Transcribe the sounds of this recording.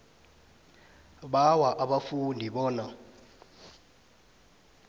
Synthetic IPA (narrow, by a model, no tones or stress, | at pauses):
ɓawaʔaɓafundʱiɓɔːna